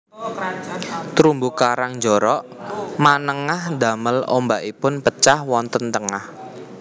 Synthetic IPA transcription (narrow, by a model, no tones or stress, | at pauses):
t̪ɾumbukaɾaŋd͡ʒɔɾɔʔmanəŋahd̪a̤məlo̰mbaʔipʊnpət͡ʃahwɔnt̪ənt̪əŋah